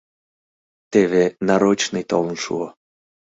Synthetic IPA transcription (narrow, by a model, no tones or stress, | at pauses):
t̪eβenɑɾot͡ɕnɨjt̪olə̆nʃṵo